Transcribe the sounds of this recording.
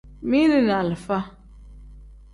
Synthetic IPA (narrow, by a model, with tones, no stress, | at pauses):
mi˦nɨ˦na˨lɨ˨fa˦